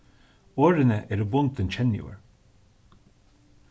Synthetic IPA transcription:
oːɾənəʔeːɾubʊnt̪ənt͡ʃʰɛnɪʊ̰ɹ

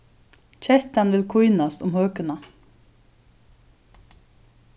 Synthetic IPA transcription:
c͡çɛt̪ɑnʋɪlkʰuʏnɑst̪ʊmhøːkənɑ

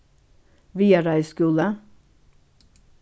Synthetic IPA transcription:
ʋiːəɾæɪskʉːlə

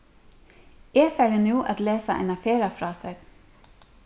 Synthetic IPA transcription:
eːfæːɖənuːʔɑt̪leːsəʔḛːnɑfeːɾɑfɾɑːsəɡ

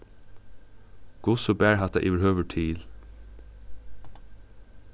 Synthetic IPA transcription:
ɡ̥ʊsoːbæːɹhɑt̪ɑ̰ʔɪ̰ʋəhøːʋəʈʰiːl

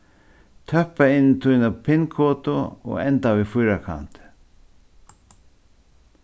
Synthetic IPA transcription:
t̪ʰœhpaɪnːɪt̪ʰujnapʰɪnkʰɔːt̪ʊɔ̰ɣɛnt̪avifʊjɾakʰa̰n̥t̪ɪ̥

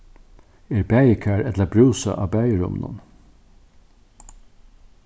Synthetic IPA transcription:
eːɹbæːjəkʰæɾɛt̪ləbɾʉːsa̰ʔɑ̰ːbæːjəɹʊ̰mnʊ̰n

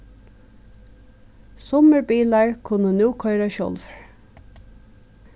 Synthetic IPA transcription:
sɔməɹbiːlaɹkʰʊnənuːkʰɔɪɾaʃɔ̰lʋɹ

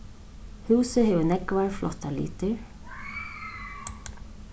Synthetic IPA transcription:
huːsɪɦɛvʏnɛkvaɹflɔht̪alḭːt̪ɪɹ

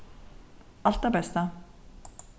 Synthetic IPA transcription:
ɔɬt̪aːpæːsaː

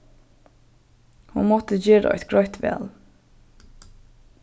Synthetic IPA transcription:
hunmɔt̪əd͡ʒeːɾə̰ʔæɪt̪ɡ̥ɹœʏt̪ʋɛ̰ːl

